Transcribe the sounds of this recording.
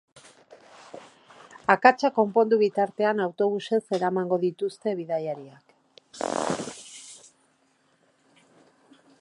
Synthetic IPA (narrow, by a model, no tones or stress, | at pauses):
akat͡ʃako̞mpo̞nd̪uβit̪aɾt̪e̞anawt̪o̞β̞use̞se̞ɾamaŋɡo̞ðit̪ust̪e̞βiðajaɾiak